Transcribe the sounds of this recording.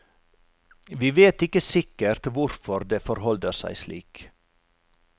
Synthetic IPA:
ʋiːʋeːt̪ɪkəsɪkəɾt̪ʋʊɾfɔɾd̪eːfɔɾhɔld̪əɾsæ̰ɪslḭːk

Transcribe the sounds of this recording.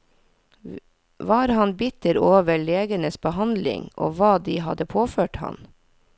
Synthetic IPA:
ʋɑːɾhɑnbɪt̪əɾoːʋəɭeːɡənəsbəhɑnd̪lɪ̰ŋʔo̰ːʋɑːd̪iːhɑ̰d̪əpʰoːføːʈhɑ̰n

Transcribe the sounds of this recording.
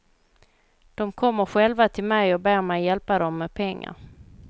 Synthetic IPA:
d̪̥ɔmkʰɔmːəɾɧɛlvat̪ʰɪlmɛjɔbæːɾmɛjːɛlpad̪ɔmːɛd̪pʰɛŋːa̰ɾ

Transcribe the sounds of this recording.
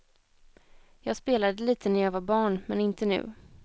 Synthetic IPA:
jɑːɡspeːlad̪əliːt̪ʰənæɾjɑːvabɑːɳmɛnɪnt̪ənʉ̟̰ː

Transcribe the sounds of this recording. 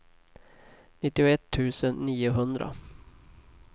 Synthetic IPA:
nɪt̪ːɪʊɛt̪ʰːʉ̟ːsənːiːʊɦɵnd̪ɾa̰

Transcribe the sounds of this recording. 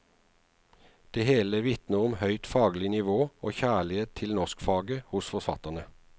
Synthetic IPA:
d̪̥eːheːləʋɪt̪nəʁʊmhœʏt̪fɑːɡlɪnɪʋoːoːçæːɭɪeːt̪ʰːɪlnɔʁskfɑːɡəhʊsfɔʁfɑt̪ənə

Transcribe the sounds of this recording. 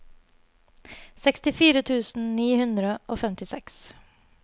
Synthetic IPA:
sɛkst̪ɪfiːɾət̪ʰʉːsn̩niːhʉnd̪ɾəʔoːfɛmt̪ɪsɛks

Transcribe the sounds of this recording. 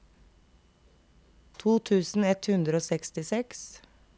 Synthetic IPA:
t̪ʰuːt̪ʰʉːsn̩ɛt̪hʉnd̪ɾəoːsɛkst̪ɪsɛks

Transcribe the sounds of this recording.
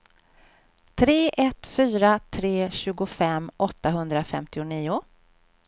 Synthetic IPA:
t̪ʰɾeːʔɛt̪fyːɾat̪ʰɾeːɕʉ̟ːɡʊfɛmːʔɔt̪ːaɦɵnd̪ɾafɛ̰mt̪ɪʊniːʊ

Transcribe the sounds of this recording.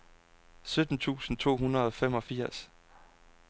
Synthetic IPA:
sød̥n̩t͡sʰṵːsn̩t͡sʰo̝̰ːɦunɐð̩ˠɒfem̰ɒ̽fiɐ̰s

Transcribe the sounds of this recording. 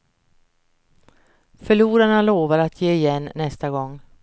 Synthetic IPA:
fœɭuːɾaɳaloːvaɾat̪ʰjeːɪjɛnːɛst̪aɡɔŋ

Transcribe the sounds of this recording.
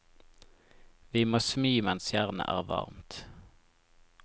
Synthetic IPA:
ʋiːmoːsmyːmɛnsjæʁnə̰ʔæːʁʋɑ̰ʁmt̪

